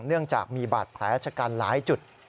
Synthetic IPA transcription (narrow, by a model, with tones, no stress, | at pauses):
ŋnɯ˥˩əŋt͡ɕaː˨˩k̚miː˧ba̰ː˨˩t̪̚pʰlɛː˦˥t͡ɕʰa˧kaː˧nlaː˨˩˦jt͡ɕu˨˩t̪̚